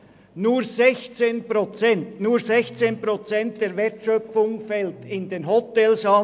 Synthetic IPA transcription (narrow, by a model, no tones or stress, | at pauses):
nuːɾzɛçt͡seːnpɾot͡sɛntnuːɹsɛçt͡seːnpɾot͡sɛnt̚d̪̥eːɾvɛɐtʃœfʊŋfɛltɪndeːnɦɔtɛlsɑ